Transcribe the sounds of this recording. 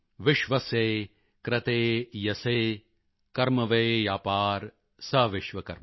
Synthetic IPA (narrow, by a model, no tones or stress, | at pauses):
ʋɪʃʋɐseː | kɾɐt̪eːjɐseː | kɐɾmɐʋejjaːpaːɾ | sɐʋɪʃʋɐkɐɾmɐ